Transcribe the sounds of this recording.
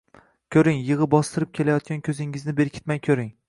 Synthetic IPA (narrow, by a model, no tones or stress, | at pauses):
kʲʰɵɾɪŋjɨʁɨbɒst̪ɪɾɪp̚kʲʰe̞lajɒt̪̚kʲankʲʰɵzɪŋɪznɪbe̞ɾkʲʰɪ̥t̪majkʲʰɵɾɪŋ